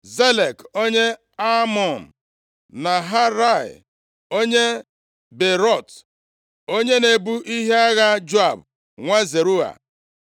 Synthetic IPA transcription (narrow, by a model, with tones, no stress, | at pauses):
ze˦le˨ko˦ɲe˦ | a˦mɔ˨n̩˨ | na˨ɦa˦ɾa˦˨ɪ̰˨ | o˦ɲe˦ | be˨ɾɔ˦˨t | o˦ɲe˦ne˨bu˦ʔi˦ɦe˦a˦ɣa˦d͡ʒo˦a˨b | ŋʷa˦ze˨ɾu˦a̰˨